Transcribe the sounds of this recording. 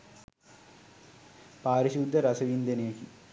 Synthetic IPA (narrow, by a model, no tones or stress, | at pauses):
paːɾiɕud̪ʱːəɾasɐʋind̪enejeki